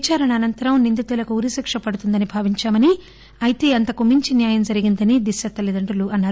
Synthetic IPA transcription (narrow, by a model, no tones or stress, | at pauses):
t͡ʃaːɾɐɳɐːnɐnt̪ɐɾɐmnind̪it̪ulɐkuuɾisikʂɐpɐɽut̪und̪ɐnibʱaːʋiɲt͡ʃaːmɐni | ɐjt̪e̞ːɐnt̪ɐkumiɲt͡ʃinjaːjɐmd͡ʒɐɾiɡind̪ɐnid̪isjɐt̪ːɐlid̪ɐɳʈɐluʔɐnːaːɾu